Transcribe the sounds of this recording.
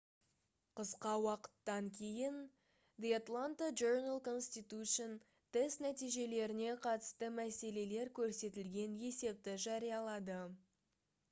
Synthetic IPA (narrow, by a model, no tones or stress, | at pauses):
qʰəsqɑwɑqə̥t̪ːɑŋkʲʰe̞jɪn | d̪eat̪lˠant̪ad͡ʒoɾnalˠko̞nst̪it̪uʃon | t̪ʰɪst̪næt̪ijʒe̞le̞ɾɪne̞qʰɑt̪ə̥st̪əmæse̞le̞le̞ɾkʲʰɵɾse̞t̪ɪlɡʲe̞nje̞se̞p̚t̪ɪʒɑɾijɑlˠɑd̪ə